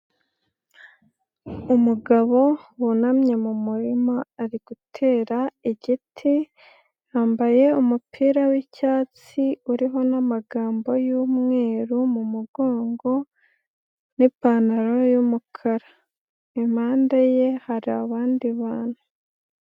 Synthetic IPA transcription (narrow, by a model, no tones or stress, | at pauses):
umuɡaβo̞wunamɲe̞mumuɾimaaɾiɡ̥utʰe̞ːɾaiɟitʰi | haːmbaje̞umupʰiːɾawicaːt͡s | iuɾiɦo̞namaɡaːmbo̞juːmŋe̞ːɾumumuɡo̞ːŋɡo̞ | nipaːnaɾo̞jumukʰaɾa | imaːndaje̞haɾiaβaːndiβaːn̥u